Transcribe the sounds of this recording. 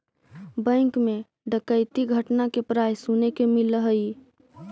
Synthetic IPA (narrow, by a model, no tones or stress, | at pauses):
bɛ̃ːŋkmẽ | ɖəkəɪt̪iɡʱəʈnakepɾaːjsunekemɪləɦəi